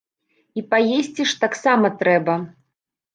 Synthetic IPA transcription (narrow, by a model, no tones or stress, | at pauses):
ipajesʲt͡sʲiʂt̪aksamɐt̪ɾɛbɐ